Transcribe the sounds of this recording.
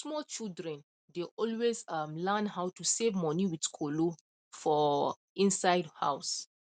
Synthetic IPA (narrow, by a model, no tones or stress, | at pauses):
smɔt͡ʃildɹɛ̃n | deʔɔlwezʌmlɛnɦaʊtusevmɔniwidkʰolo | fɔ | ĩnsaɪdha̰ʊs